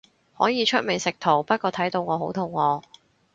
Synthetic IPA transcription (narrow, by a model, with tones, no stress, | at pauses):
hɔː˨˥jiː˨˧t͡ʃʰɵ˥t̚mɪ˨˩sɪ˨k̚t̪ʰo˨˩wpɐ˥t̚kɔː˧t̪ʰɐ˨˥jt̪o˧wŋɔː˨˧ɦo˨˥wt̪ʰʊ˨ŋːɔː˨˧